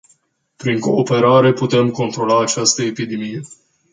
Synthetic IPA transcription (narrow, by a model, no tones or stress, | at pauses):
pɾiŋko̞ːpe̞ɾaɾe̞put̪e̞mko̞nt̪ɾo̞laːt͡ʃast̪əepid̪emije̞